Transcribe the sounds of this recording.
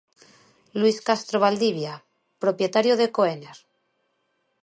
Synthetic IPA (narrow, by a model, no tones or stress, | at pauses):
lwiskast̪ɾoβ̞ald̪iβja | pɾo̞pje̞t̪aɾjoð̞e̞koeneɾ